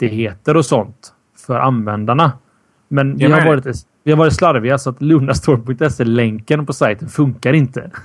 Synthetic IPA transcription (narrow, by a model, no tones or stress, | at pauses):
t̪ɪheːt̪əɾɔsɔnt̪ | fœɾʔanvɛnd̪aɳa | mɛnvɪɪhaɾvɑːɾɪt̪ | vɪhaɾvɑːɾɪt̪slaɾvɪasɔat̪lɵːnast̪ʰoːɾpʰɵŋk̚t̪ɛsːeːlɛŋkənpɔsajt̪ənfɵŋkaɾɪnt̪ə̰